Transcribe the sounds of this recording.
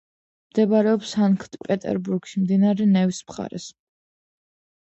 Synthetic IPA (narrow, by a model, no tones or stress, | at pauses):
md̪ɛbaɾɛɔpsaŋkʰt̪ʼpʼɛt̪ʼɛ̰ɾbuɾɡ̥ʃimd̪inaɾɛnɛvismχa̰ɾɛ̰s